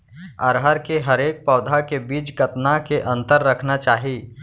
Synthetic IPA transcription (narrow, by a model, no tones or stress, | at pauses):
əɾɦəɾkeɦəɾeːk̚pəːd̪ʱakebiːt͡ʃɡʱət̪nakeʔɐ̃nt̪əɾːəkʰnat͡ʃaːɦi